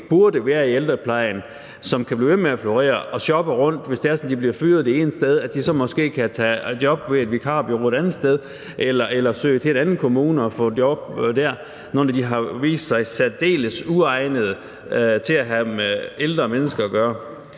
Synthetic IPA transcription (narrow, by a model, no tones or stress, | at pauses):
b̥uɐdəʋæːɐield̥ʁɐpʰlɑ̈ɪ̰n | sɒ̽mkʰæb̥lḭːʋemeæfloʁḛːɐɒ̽ɕɒ̽b̥əʁɔ̽n̰d̥ʋe̝sd̥e̝æɐsɒ̽m̩d̥ibliɐfy̰ːð̞̩ˠdie̝ːnsd̥eð̞ˠæd̥isɒ̽mɒ̽sɡ̥e̝̰ːkʰæt͡sʰæd̥jɒ̽b̥ʋe̝æd̥ʋikʰɑ̰̈ːb̥iʁed̥ænð̩ˠsd̥eð̞ˠ | ʔelɐʔelɐsø̰ɪt͡sʰe̝enænn̩kʰo̝muːnəɒfɔ̰̽djɒb̥̚d̥æɐ̰ | noːnæd̥iɦɑ̈ʋḭːsd̥sɑ̈ɪsæd̥e̝̰ːləsuɑ̈ɪnəð̞̩ˠə | t͡sʰe̝læɦæmeeld̥ʁɐmenəsɡ̥ɐːɡ̥ɶːɐ